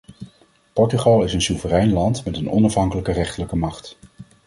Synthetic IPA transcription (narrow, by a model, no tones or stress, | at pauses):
pɔɹtyχɑlˠɪsənsuvərɛjnlɑntmɛtənɔ̰nɑfɦɑŋkələkərɛχtələkəmɑχt